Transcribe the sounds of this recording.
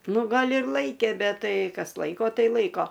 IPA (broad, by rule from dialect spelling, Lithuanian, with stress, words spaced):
ˈnʊ ˈɡɐlʲ ɪr ˈlˠɐɪkʲeː ˈbʲɛt ˈtɐɪ ˈkɐs ˈlˠɐɪkoː ˈtɐɪ ˈlˠɐɪkoː